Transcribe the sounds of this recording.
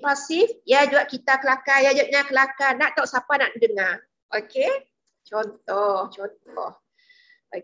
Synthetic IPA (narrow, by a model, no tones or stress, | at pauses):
pasifjad͡ʒuaʔ̚kit̪akəlakajad͡ʒuaʔ̚ɲakəlakanaʔt̪ɔʔsapanaʔdəŋa | ʔoke | t͡ʃɔnt̪ɔht͡ʃɔnt̪ɔh | o